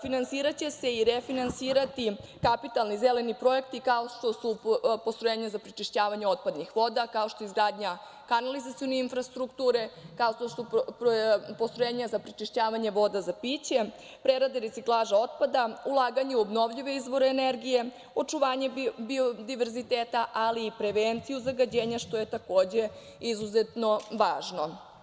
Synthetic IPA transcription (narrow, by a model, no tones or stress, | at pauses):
finansiːɾat͡ɕe̞se̞iɾe̞finansiːɾat̪ikapit̪alnizele̞nipɾo̞e̞kt̪ikao̞ʂt̪o̞supost̪ɾojeːɲazapɾit͡ʃiʃt͡ɕaːʋaɲeo̞t̪̚pad̪nixʋo̞d̪akao̞ʃt̪o̞izɡɾaːd̪ɲa | kanalizat̪sijo̞neinfɾast̪ɾukt̪uːɾe̞kao̞ʃt̪o̞su | post̪ɾojeːɲazapɾit͡ʃiʃt͡ɕaːʋaɲe̞ʋo̞d̪azapit͡ɕe̞ | pɾeɾad̪eɾetsiklˠaːʒao̞t̪̚pad̪aulˠaːɡaɲeuobno̞ʋʎiʋe̞izʋo̞ɾeːneɾɡije̞ | o̞t͡ʂuʋaːɲe̞biod̪iʋe̞ɾzit̪eːt̪aʔaliːpɾe̞ʋent̪sijuzaɡad͡ʑe̞ːɲaʃt̪o̞je̞t̪ako̞ːd͡ʑe̞ | izuzet̪no̞ʋaːʒno̞